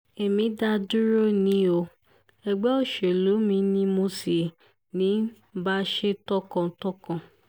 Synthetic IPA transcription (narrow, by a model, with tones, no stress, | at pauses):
e˨mĩ˨˦da˧du˦ɾo˦˨nĩ˨˦o˧ | ɛ˨ɡ͡bɛ˦o˦˨ʃe˨lo˨˦mĩ˧nĩ˧˦mo˧si˨ | nĩ˨˦ | ba˦ʃe˦tɔ˦kã˧tɔ˦kã˧˨